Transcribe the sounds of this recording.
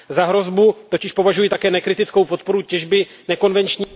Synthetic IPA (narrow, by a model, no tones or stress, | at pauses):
zaɦɾo̞zbut̪o̞cɪʃpo̞vaʒujit̪akɛːnɛkɾɪt̪ɪt͡skowpo̞t̪̚po̞ɾucɛʒbɪ | nɛko̞nvɛnt͡ʃɲː